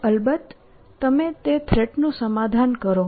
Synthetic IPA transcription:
əlbət̪ː | əmet̪et̪ʰɾeʈnũsəmad̪ʱankəɾo

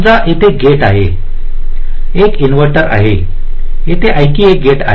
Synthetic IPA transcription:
d͡zaʔet̪ʰeɡeʈaɦe | ekinʋəɾʈəɾa̰ɦe | et̪ʰeʔajkiːek̚ɡeʈa̰

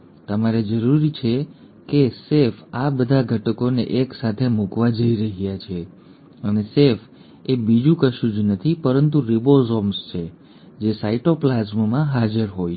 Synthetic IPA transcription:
t̪əmaɾed͡ʒəɾuɾit͡ʃʰe | kesefabəd̪ʱaɡʱəʈəkoneʔeksat̪ʰemukʋad͡ʒəiɾəɦjat͡ʃʰe | ənesef | ebid͡ʒũkəʃud͡ʒnət̪ʰipəɾənt̪uɾibozɔmst͡ʃʰe | d͡ʒesaiʈoplazmmãɦad͡ʒəɾɦoj

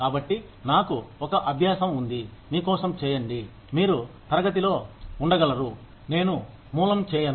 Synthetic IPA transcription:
kaːbɐʈːi | naːkuɔkɐʔɐbʱjaːsɐmund̪imiːkɔːsɐmt͡ʃɛːjɐɳɖi | miːɾut̪ɐɾɐɡɐt̪̬ilo̞ːuɳɖɐɡɐlɐɾu | ne̞ːnu | muːlɐmt͡ʃɛːjɐn

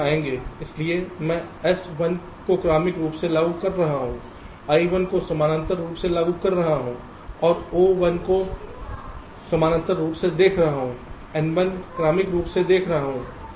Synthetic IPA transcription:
aẽːŋɡeːɪsliemɛ̃ɛsʋɐn | kokɾaːmɪkɾuːpselaːɡukɐɾːɐɦaɦũː | aːiʋənkosɐmaːnə̃nt̪əɾːuːpselaːɡukɐɾːɐɦaɦũː | ɔːɾoːʋɐnko | sɐmaːnə̃nt̪əɾɾuːpsed̪eːkʰɾɐɦaɦũ | ɛnʋənkɾaːmɪkɾuːpsed̪eːkʰɾɐɦaɦũː

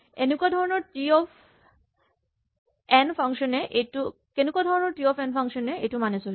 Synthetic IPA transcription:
enekuad̪ʱɔɹɔnɔɹʈiɔfʰ | ɛnpʰaŋʃɔnɛʔetu | kenekuad̪ʱɔɹɔnɔɹʈiɔpʰɛnpʰaŋʃɔnɛḛjtumanesol

